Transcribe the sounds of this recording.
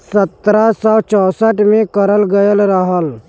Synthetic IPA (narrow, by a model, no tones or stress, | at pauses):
sət̪ɾasawt͡ʃɔsaʈmekəɾəlɡəjəlɾaɦal